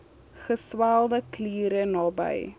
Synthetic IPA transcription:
χəswælˠdəkliːɾənɑːbə̰j

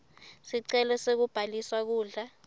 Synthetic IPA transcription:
siǀɛlɔsek̬ub̥ʱaliswak̬uːɮa

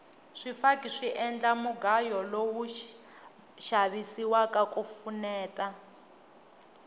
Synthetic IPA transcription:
ʂifakʼiʂiʔɛnd͡ɮamuɡajɔlowu | ʃaβisiwakakʼufunɛːta

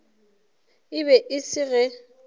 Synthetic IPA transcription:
ɪβɛʔɪsɪɣɛ

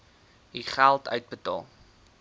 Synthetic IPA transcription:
iχælˠtœ̰ɥt̚bətɑ̰ːlˠ

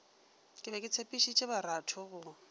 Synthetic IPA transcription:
kʼɪbɛkʼɪt͡sʰepʼiʃit͡ʃʼebaɾatʰɔɣʊ

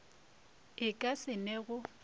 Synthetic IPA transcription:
ɪkʼasɪnɛɣʊ

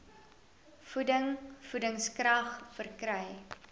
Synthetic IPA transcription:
fudəŋfudəŋskrɐχfərkɾɛj

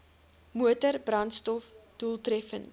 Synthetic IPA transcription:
muətərbrɐnstɔfd̥ulˠtrɛfən

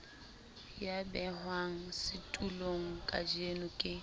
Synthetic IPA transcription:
jabɛhwaŋ̩sɪtʼuloŋ̩kʼa̰d͡ʒenʊkʼɪ

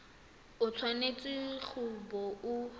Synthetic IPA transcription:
ʊt͡sʰwanet͡sʼɪk͡xʰʊbɔʊ

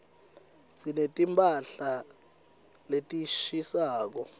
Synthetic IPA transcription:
sinetʼimpʼaɬa | letʼiʃisaːk̬ɔ

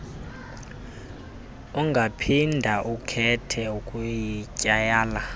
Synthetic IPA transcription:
uŋɡʱapʰindʱaʔukʰɛtʰɛukʼujicʼajaːla

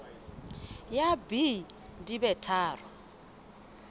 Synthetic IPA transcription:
jabi | dibɛtʰaːrɔ

